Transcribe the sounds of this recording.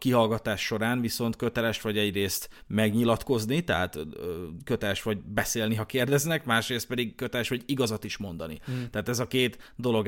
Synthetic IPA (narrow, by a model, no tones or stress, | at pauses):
kiɦɒlɡɒt̪aːʃːo̞ɾaːnviso̞nt̪køt̪ɛlɛʃt̪ʋɒɟɛɟreːst̪mɛɡɲilɒt̪ko̞znit̪ɛɦat̪økø̞t̪ɛlɛʃʋɒɟbɛseːlniɦɒkeːrd̪ɛznɛkmaːʃreːst̪pɛd̪iɡkøt̪ɛlɛʃʋɒɟiɡɒzɒt̪iʃmo̞nd̪ɒnḭt̪ɛːt̪ɛzɒkeːt̪d̪o̞lo̞ɡ